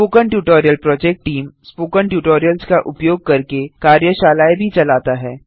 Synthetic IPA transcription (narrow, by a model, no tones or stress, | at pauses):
spoːkəɳʈjuːʈoːɾjəlpɾɔːd͡ʒɛk̚ʈʈiːmspoːkəɳʈjuːʈoːɾijəlskaʔʊpjoːɡ̚kɐɾkekaːɾjəʃaːlaːebʱit͡ʃɐlaːt̪aɦɛː